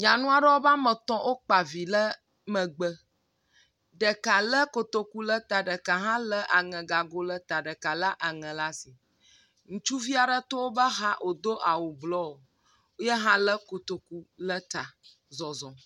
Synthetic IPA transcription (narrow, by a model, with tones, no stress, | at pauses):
ɲã˨nũ˦a˦ɖə˦wo˦ba˦mə̃˨t̪ɔ̃˦ʔo˦k͡pa˨vi˨lə˦ | mə̃˨ɡ͡bə˦ | ɖə˨ka˨lə˦ko˨t̪o˨ku˦lə˦t̪a˨ɖə˨ka˨ɦã˦lə˦ʔa˨ŋɛ̃˨ɡa˨ɡo˦lə˦t̪a˨ɖə˨ka˨lə˦ʔa˨ŋɛ̃˨la˦si˨ | ŋũ˨t͡ʃu˦vi˦a˨ɖə˦t̪o˦wo˦bə˦ɦã˦ʔo˨d̪o˦ʔa˨wo˨blɔ˦o˨ | wo˦jɛ˦ɦã˦lə˦ko˨t̪o˨ku˦lə˦t̪a˨ | zɔ˨zɔ̃˨